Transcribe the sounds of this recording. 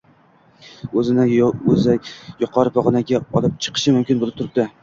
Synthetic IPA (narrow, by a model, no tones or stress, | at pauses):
ɵzɪnɪɵzajjʊqʰɒɾɪpʰɒʁnaɡʲaɒlˠɪp̚t͡ʃʰɨ̥qʰɨ̥ʃɪmʊmkʲɪnbolˠɪpt̪ʊɾɪp̚d̪ɪ